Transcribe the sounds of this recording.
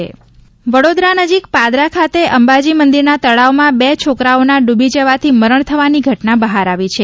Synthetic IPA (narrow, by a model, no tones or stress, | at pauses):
ʋəɽod̪ɾanəd͡ʒikpad̪ɾakʰat̪eʔəmbad͡ʒimənd̪iɾnat̪əɭaomãbet͡ʃʰokɾaonaɖubʱid͡ʒəʋat̪ʰiməɾəɳ̃t̪ʰəʋaniɡʱəʈnabəɦaɾaʋit͡ʃʰe